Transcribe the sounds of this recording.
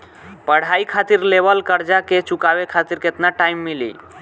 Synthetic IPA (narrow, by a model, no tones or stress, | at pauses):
pəɽ̤aikʰat̪iɾlebəlkəɾd͡ʒaket͡ʃukawekʰat̪iɾket̪naʈaimːilḭ